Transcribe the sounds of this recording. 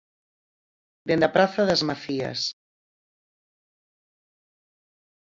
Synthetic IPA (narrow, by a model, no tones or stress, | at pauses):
d̪end̪apɾaθaðəzmaθiə̰s